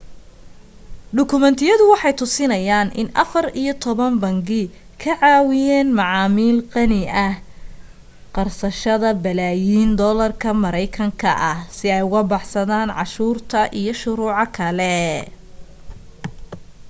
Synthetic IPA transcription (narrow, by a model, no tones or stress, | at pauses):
ɖʊkʰʊmɛnt̪ʰɪjɐðʊwɑħɑjt̪ʰʊsɪnɐjaːnʔɪ̰nʔɐ̰fɐrijɔt̪ʰɔβɐmbɐŋɡɪ | kʰɐʕɑːwɪjɛːnmɑʕɑːmiːlqɑnɪɐh | qɑrsɐʃɐðɐbɐlaːjiːnd̪ɔlɐrkʰɐmɐɾɛjkʰɐŋkʰɐʔɐhsɪɛjʊɣɐbɑħsɐðaːnʕɑʃuːrt̪ʰɐʔijɞʃʊɾuːʕɑkʰɐlɛ